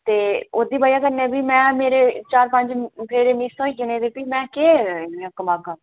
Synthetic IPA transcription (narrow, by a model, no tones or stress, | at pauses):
t̪eːoːd̪iːbaːjaːkəɾnɛːbiːmɛ̃ːmeːɾeːt͡ʃaːɾpəɲd͡ʒpʰeːɾeːmiːsõːiːkɪneːd̪eːpiːmɛ̃ːkeːekəmaːɡãː